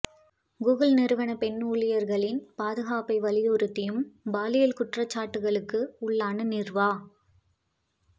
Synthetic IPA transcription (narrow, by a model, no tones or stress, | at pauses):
ɡuːɣɐlnɪɾɯʋɐnɐpɛnuːɭɪjɐɾɣɐɭɪnpaːðɯɣaːpɐɪʋɐlɪjɔɾɯt̪ːɪjɯmbaːlɪjɐlkʊʈrɐt͡ʃːaːʈːɯɣɐɭɯkːɯʊɭːaːnɐnɪrʋaː